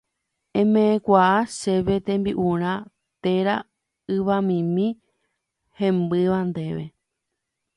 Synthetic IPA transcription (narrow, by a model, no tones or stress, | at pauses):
ẽ̞mẽẽkʷaaʃe̞ʋe̞t̪ẽmbiʔũɾ̃ã | t̪eɾa | ɨʋamĩmĩ | hẽ̞mbɨʋãnd̪e̞ʋḛ